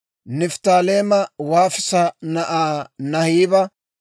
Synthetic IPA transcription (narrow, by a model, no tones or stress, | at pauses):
nɪft̪aːleːmɐwaːfɪsɐnɐʔaːnɐhiːbɐ